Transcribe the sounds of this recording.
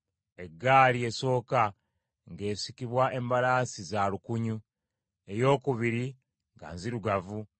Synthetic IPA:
e̞ɡːaːlie̞so̞ːka | ŋɡe̞ːsikiβwaʔembalaːsizaːlukuɲu | e̞jo̞ːkuβiɾi | ŋɡa̰nziɾuɡavu

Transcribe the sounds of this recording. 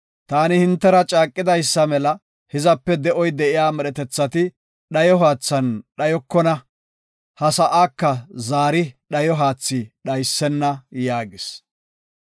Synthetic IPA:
t̪aːnɪhɪnt̪ːɛɾɐt͡ʃʼaːkʼːɪd̪ɐjsːɐmɛlɐ | hɪzɐpːɛd̪ɛʔɔjd̪ɛʔɪjaːmɛɗɛt̪ɛt͡sːɐt̪ɪ | ɗɐjɔɦaːt͡sːɐnɗɐjɔkːɔnɐ | hɐsɐʔaːkːɐzaːɾɪɗɐjɔɦaːt͡sːɪɗɐjsːɛnːɐjaːɡɪs

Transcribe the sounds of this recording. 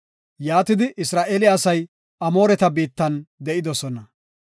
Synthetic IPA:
jaːt̪ɪd̪ɪʔɪsɾaːʔeːlɪɐsɐj | ʔɐmo̞ːɾɛt̪ɐbiːt̪ːɐnd̪ɛʔɪd̪ɔsɔnɐ

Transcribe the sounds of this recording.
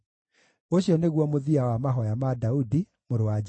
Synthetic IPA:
oɕjɔneɣwɔmoðiawamaɦɔjamadaudi | moɾowa

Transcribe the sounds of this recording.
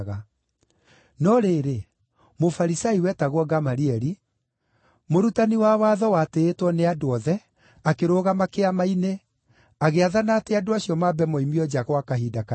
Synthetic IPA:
ɣa | nɔɾeɾe | mofaɾisaiwɛtaɣwɔɡamaɾiɛɾi | moɾutaniwawaðɔwateːtwɔneadoɔðɛ | akeɾoːɣamakeamaine | aɣeaðanaːteadoaɕiɔmabɛmɔimiɔd͡ʒaɣɔakaɦiːdaka

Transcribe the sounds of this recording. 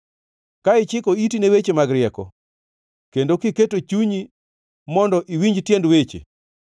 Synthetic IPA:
kaɪt͡ʃɪkɔitinewet͡ʃemaɡɾɪɛkɔ̰ | kendokiketot͡ʃuɲi | mɔndɔʔiwiɲd͡ʒtjendwet͡ʃḛ

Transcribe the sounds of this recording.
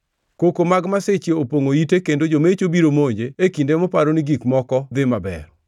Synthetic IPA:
kokomaɡmaset͡ʃjeopoŋoitekendod͡ʒomet͡ʃobiɾomoɲd͡ʒeekindemɔpaɾoniɡikmɔkɔd̪ɪmabɛ̰ɾ

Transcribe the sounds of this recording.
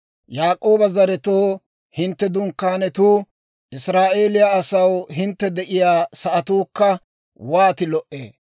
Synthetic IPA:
jaːkʼo̞ːbɐzɐɾɛt̪oː | hɪnt̪ːɛd̪ʊŋkːaːnɛt̪uː | ʔɪsɾaːʔe̞ːlɪjaɐsɐwɦɪnt̪ːɛd̪ɛʔɪjaːsɐʔɐt̪uːkːɐ | waːt̪ɪlɔʔʔḛː

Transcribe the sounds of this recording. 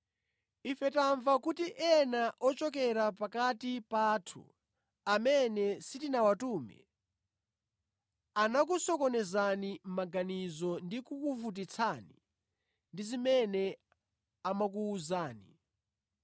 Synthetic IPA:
ifɛtaɱvakutiʔɛnaʔɔt͡ʃɔk̬ɛɾapakatipatʰṵ | amɛnɛsitinawatuːmɛ̰ | anak̬usɔkɔnɛzanim̩maɡanizɔndikukuvut̬it͡sʰani | ndizimɛnɛ | amak̬uːzaːnḭ

